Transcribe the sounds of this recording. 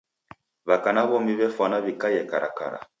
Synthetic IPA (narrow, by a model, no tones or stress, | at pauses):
βakanaβɔmiβɛfanaβikajɛkaɾa̰ka̰ɾa̰